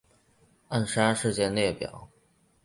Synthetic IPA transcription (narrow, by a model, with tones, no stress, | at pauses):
a˥˩nʂa˥nʂɻ̩˥˧t͡ɕjɛ˥˧njɛ˥˩pjɑ̰˨˩˦ʊ